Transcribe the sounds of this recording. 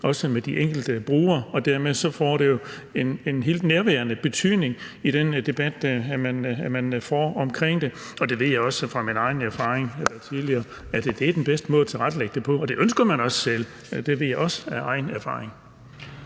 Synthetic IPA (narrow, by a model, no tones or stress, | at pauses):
ɒ̽səmed̥iʔeŋ̰ɡ̥l̩d̥əb̥ʁuːɐɒ̽d̥æɐ̰meðˠsɒ̽fɒ̰ːɾ̥e̝jo̝ | e̝ne̝nɦe̝̰ːld̥neɐʋæːɐnəb̥e̝t͡sʰy̰ð̰ːˠne̝ŋ | iɾ̥end̥e̝b̥æd̥mænmænfɒ̰ːɒ̽mkʰʁeŋ̰d̥e̝ | ɒ̽d̥e̝ʋe̝̰jɑ̈ɪɒ̽sfʁɑ̈minɑ̈ɪnæɐfɑ̈ːʁeŋelɐt͡sʰiðˠliɐː | æd̥d̥e̝æɐd̥enb̥esd̥əmɔ̽ːð̩ˠt͡sʰeʁad̥leɡ̥̚d̥e̝pʰɒ̽ɒd̥e̝ʔønsɡ̥ɐmænɒ̽ssel̰ | d̥e̝ʋe̝ð̰ˠjɑ̈ɪɒ̽sæɑ̈ɪnæɐfɑ̈ːʁeŋ